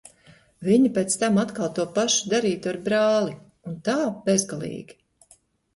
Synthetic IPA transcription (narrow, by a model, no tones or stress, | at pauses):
viɲipeːt̪st̪amat̪kalˠt̪uɔpaʃud̪aɾiːt̪aɾbɾaːlˠi | unt̪aːb̥ezɡalˠḭːɡʲi̥